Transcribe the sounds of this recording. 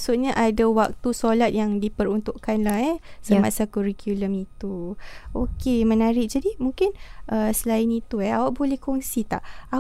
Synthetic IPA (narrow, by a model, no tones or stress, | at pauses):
sut̪̚ɲəʔadawak̚t̪usolat̪̚jaŋdipəɾunt̪uʔkanlahɛsəmasakuɾikjuləmit̪uokemə̃naɾɪʔ̚d͡ʒadimũŋkɪnʔəsəlaɪnit̪uɛawaʔbolɛhkoŋsit̪a̰ʔa